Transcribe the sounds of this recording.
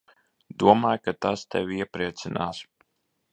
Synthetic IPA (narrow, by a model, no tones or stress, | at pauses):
d̪uɔmaːjkat̪ast̪ɛ̰vʲiɛpɾiɛt̪sinaːs